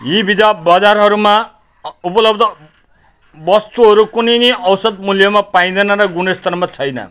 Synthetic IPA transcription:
ɦĩbid͡zabad͡zarɦʌɾuma | upʌlʌbd̪ʌ | bʌst̪uɦʌɾukunijniʌwsʌd̪̚muljʌmapaĩd̪ʌnʌɾʌɡunest̪ʌrmat͡sʰʌjnʌ̰

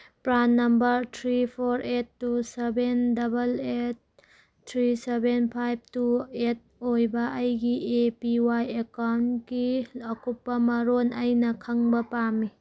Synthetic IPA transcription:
pɾanːɐmbɐɾtʰɾipʰoɾetːusebendɐbɐlet̚ | tʰːɾisebenpʰajb̚tuet̚ojbɐʔːjɡiʔepiwajekawnɡiɐkupːɐmɐɾonɐjnɐkʰɐŋbɐpamːi

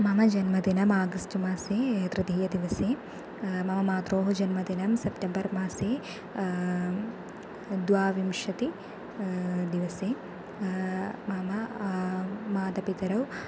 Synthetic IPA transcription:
mamɐd͡ʒɐnmɐd̪inɐmaːɡɐsʈmaːseːt̪ɾɐd̪iːjɐd̪iʋɐseː | mamɐmaːt̪ɾoːɦud͡ʒɐnmɐd̪inɐmsɐpʈɐmbɐɾmaːseː | d̪ʋaːʋimʂɐt̪i | d̪iʋɐseː | maːmɐ | maːd̪ɐpit̪ɐɾɐw

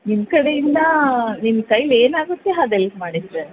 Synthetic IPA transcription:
nimkɐɽejind̪ɐnimkɐjleːnaːɡut̪ːeɐd̪elɡmaːɽisɾe

